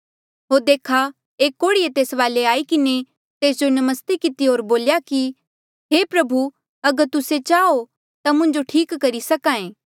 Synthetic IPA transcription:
ɦoːɾd̪eːkʰa | eːkːoːɽiet̪eːsʋaːleaːikɪne | t̪eːsd͡ʒonɐməst̪ekɪt̪iɦoːɾboːljaki | ɦeːpɾɐbʱu | ɐɡəɾt̪ʊset͡ʃaːo | t̪amʊ̃ɲd͡ʒoʈʰiːkːɐɾisɐkãːẽː

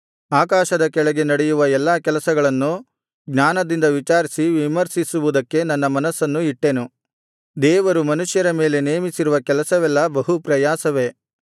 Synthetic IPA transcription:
aːkaːʃɐd̪ɐkɛɭɐɡe̞nɐɽejuʋɐɛlːaːkɛlɐsɐɡɐɭɐnːu | ɡɲaːnɐd̪ind̪ɐʋit͡ʃaːɾisiʋimɐɾsisuʋud̪ɐkːe̞nɐnːɐmɐnɐsːɐnːuiʈːe̞nu | d̪ɛːʋɐɾumɐnuʂjɐɾɐme̞ːle̞ne̞ːmisiɾuʋɐkɛlɐsɐʋɛlːɐbɐɦupɾɐjaːsɐʋe̞

